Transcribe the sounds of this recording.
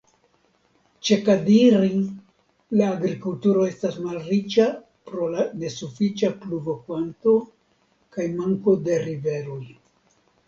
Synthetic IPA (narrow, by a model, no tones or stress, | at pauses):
t͡ʃe̞kadiɾi | laːɡɾikultuɾo̞e̞stasmalɾit͡ʃa | pɾo̞lane̞sufit͡ʃapluvo̞kvanto̞ | kajmaŋko̞de̞ɾive̞ɾoj